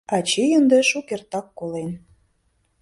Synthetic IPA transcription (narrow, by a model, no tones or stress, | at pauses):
ɑt͡ɕijənd̪eʃukert̪ɑkːolen